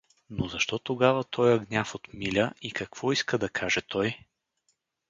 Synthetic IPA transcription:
nozɐʃt̪ɔt̪oɡavət̪ʰɔjɐɡnʲafot̪milʲəikɐkv̥ɔiskəd̪ɐkʰaʒɛt̪ʰɔj

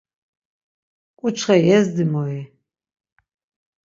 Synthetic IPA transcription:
ʔʷʼʊt͡ʃʰʼχɐjɛzdɨmoe

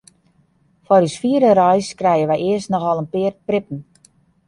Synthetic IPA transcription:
fɔrysfiədərɔjskrɛjənʋɛjɪəstnɔxʋɔlˠənpɪərprɪpən̩

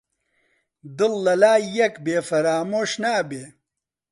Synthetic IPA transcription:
d̪ɨlːɐlaːjɐkbeːfɐɾaːmoːɕnaːbeː

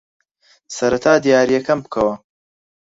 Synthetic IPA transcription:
sɐɾɐt̪ʰaːd̪ijaːɾijɐkɐmbɨkʰɐwɐ

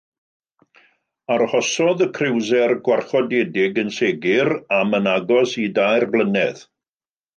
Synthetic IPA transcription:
arhɔsɔðəkʰrɪwzɛrɡwarχɔdedɪɡənseɡɪɾamənaɡɔsidajrblˠənɛð

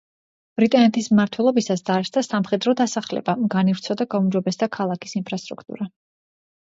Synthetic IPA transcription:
b̥ɾit̪ʼanɛt̪ʰismmaɾt̪ʰwɛlˠɔbisasd̪aɾʃd̪asamχɛd̪ɾɔd̪asaχlɛ̰bamɡanifɾt̪sʰɔd̪aɡaumd͡ʒɔbɛsd̪akʰalˠakʰi̥sinpʰɾast̪ʼɾukʰt̪ʼṵɾa

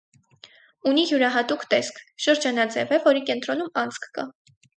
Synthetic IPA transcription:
uniɦjuɾɑɦɑt̪ukt̪ɛskʰʃəɾd͡ʒɑnɑd͡zɛvɛvɔɾikɛnt̪ɾɔnumɑnt͡skʰkɑ̰

